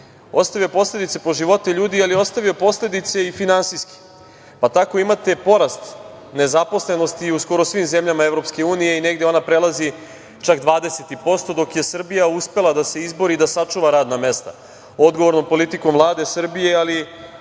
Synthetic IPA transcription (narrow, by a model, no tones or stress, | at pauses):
o̞st̪aʋijopo̞sle̞d̪it̪se̞po̞ʒiʋo̞t̪eʎuːd̪ialio̞st̪avʋiopo̞sle̞d̪it̪se̞ifinansiski̥ | pat̪ako̞imat̪e̞po̞ɾast̪ | ne̞zapo̞sle̞no̞st̪iusko̞ɾo̞sʋimze̞mʎamaevɾo̞pske̞uːnije̞ine̞ɡd̪eo̞napɾe̞lˠazi | t͡ʃakd̪ʋaːd̪e̞set̪ipo̞st̪o̞d̪o̞kje̞sr̩bijauspe̞lˠad̪ase̞izbo̞ɾid̪asat͡ʂuːʋaɾaːd̪name̞st̪a̰ | o̞d̪ɡoʋo̞ɾno̞mpo̞lit̪ikomvlˠaːd̪e̞sr̩bije̞ali